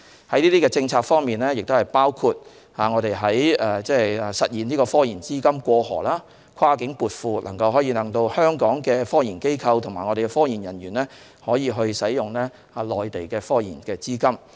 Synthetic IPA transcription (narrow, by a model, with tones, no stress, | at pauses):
hɐ˨˥jniː˥t̪iː˥kɛː˧t͡sɪ˧ŋt͡sʰaː˧k̚fɔː˥ŋmiː˨nlɛː˥jɪ˨k̚t̪o˥hɐ˨˩jpaː˥wkʰuː˧t̚ | haː˨ŋɔː˨˧ɾe˨jɦɐ˨˥jɛː˧t͡sɛː˥ɐ˨sɐ˨t̚jiː˨nliː˥kɔː˧fɔː˥jiː˨˩nt͡siː˥kɐ˥mkʷɔː˧hɔ̰ː˨˩laː˥ | kʷʰwaː˥kɪ˨˥ŋpuː˨˧t̚fuː˧lʔɐ̰˨˩ŋkɐ˧wɦɔː˨˥jiː˧lɐ˨˩ŋt̪o˧whœː˥ŋkɔː˨˥ŋkɛː˧fɔː˥jiː˨˩nke˥jkʰɐ˧wt̪ʰmaː˨˩ŋɔ˨˧ɾe˨˩kɛ˧fɔː˥ji˨˩njɐ˨˩njyː˨˩nlɛː˥ | hɔː˨˥jiː˨˧ɦɵ˧ɥsɐ˨˥jjʊ˨ŋlɛː˥ | a˨lɔː˨jt̪e˨jkɛː˧fɔː˥jḭː˨˩nkɛː˧t͡siː˥kɐ˥m